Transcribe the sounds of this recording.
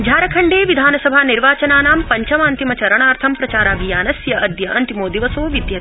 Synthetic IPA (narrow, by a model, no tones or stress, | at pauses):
d͡ʒʱaːɾɐkʰɐɳɖeːʋid̪ʱaːnɐsɐbʱaːniɾʋaːt͡ʃɐnaːnaːmpɐɲt͡ʃɐmaːnt̪imɐt͡ʃɐɾɐɳaːɾt̪ʰɐmpɾɐt͡ʃaːɾaːɡijaːnɐsjɐʔɐd̪jɐʔɐnt̪imoːd̪iʋɐsoːʋid̪jɐt̪